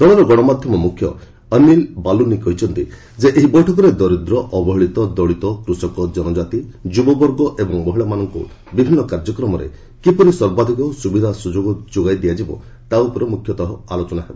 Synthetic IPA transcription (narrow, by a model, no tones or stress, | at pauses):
d̪̥ɔɽ̃ɔɾɔɡɔɽ̃ɔmad̪ʱjɔmɔmukʰːjɔ̰ | ənilbalunikɔɦit͡ʃʰɔnt̪ḭ | d͡ʒeʔeɦibɔjʈʰɔk̬ɔɾed̪ɔɾid̪ɾɔʔɔbɔɦɔɭit̪ɔd̪ɔɭit̪ɔkɾusɔkɔd͡ʒɔnɔd͡ʒat̪id͡ʒubɔbɔɾɡɔʔebɔŋmɔɦiɭamanɔŋkṵ | bibʱinːɔkaɾd͡ʒɔkɾɔmɔɾḛ | kipɔɾiswɔɾbad̪ʱikɔsubid̪ʱasud͡ʒoɡɔd͡ʒoɡajd̪ijad͡ʒibɔ̰ | t̪aupɔɾɔmukʰjɔt̪ɔɦɔalot͡ʃɔnaɦebɔ